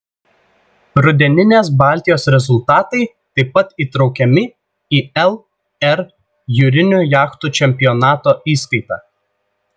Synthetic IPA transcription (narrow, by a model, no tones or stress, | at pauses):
ɾʊd̪ʲɛnʲɪnʲeːs̬bɑːˑlʲt̪ʲɪjoːsɾʲɛzʊlˠt̪ɑːt̪ɐɪ | t̪ɐɪpːɐt̪iːt̪ɾɒʊkʲɛmʲɪ | iːɛlˠ | ɛɾ | juːɾʲɪnʲʊjɑːxt̪ut͡ʃʲɛmʲpʲɪjɔnɑːt̪oːʔiːskɐɪt̪ɑ̰ː